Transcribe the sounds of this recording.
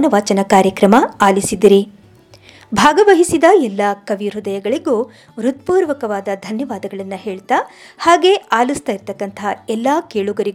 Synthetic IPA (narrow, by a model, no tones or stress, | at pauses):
nɐʋɐt͡ʃɐnɐkaːɾjɐkɾɐmɐaːlisid̪iɾi | bʱaːɡɐʋɐɦisid̪ɐɛlːɐkɐʋiɾud̪ɐjɐɡɐɭiɡuː | ʋɾut̪̚puːɾʋɐkɐʋaːd̪ɐd̪ʱɐnjɐʋaːd̪ɐɡɐɭɐnːɐɦe̞ːɭt̪a | haːɡe̞aːlist̪aːjiɾt̪ɐkːɐnt̪ʰɐɛlːaːkeːɭuɡɐɾiɡ